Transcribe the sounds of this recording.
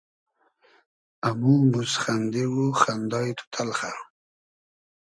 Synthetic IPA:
amumusχand̪ewuxand̪ɑjt̪ʰʊ̥t̪ʰalχa

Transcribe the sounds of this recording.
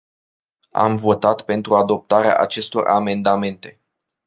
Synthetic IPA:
a̰mvo̞t̪at̪pe̞nt̪ɾuad̪o̞p̚t̪aɾea̰ʔat͡ʃe̞st̪o̞̰rʔame̞nd̪ame̞nt̪e̞

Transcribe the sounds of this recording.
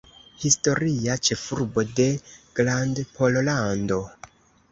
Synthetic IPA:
histo̞ɾiat͡ʃe̞fuɾbo̞de̞ɡ̥landpʰo̞llando̞

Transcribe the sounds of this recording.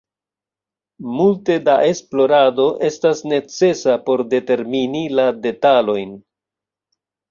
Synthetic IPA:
multe̞daʔe̞splo̞ɾado̞ʔe̞stasne̞t͡se̞sapo̞ɾde̞te̞ɾminilade̞talo̞jn

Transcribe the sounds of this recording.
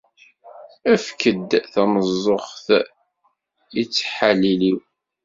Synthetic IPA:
æfkəd̪θæməzˤːoχθ | it͡sːħaliliw

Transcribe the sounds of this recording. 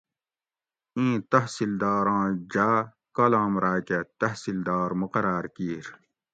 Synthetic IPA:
ĩːt̪ɐɦsild̪aːɾãːd͡ʑaː | kɐlãːmɾaːket̪ɐɦsild̪aːɾmuqɐɾaːɾkiːɾ

